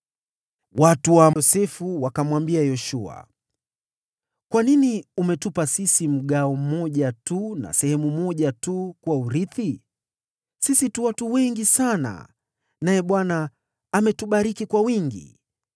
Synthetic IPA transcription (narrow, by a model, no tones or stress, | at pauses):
watuwaɔsɛfuwakamwambiajɔʃua̰ | kwaniniumɛtupasisim̩ɠaɔmɔʄatuna̰sɛhɛmumɔʄatukuwauɾiθi | sisituwatuwɛŋɡisana̰ | najɛɓwanaː | mɛtuɓaɾikikwawiŋɡḭ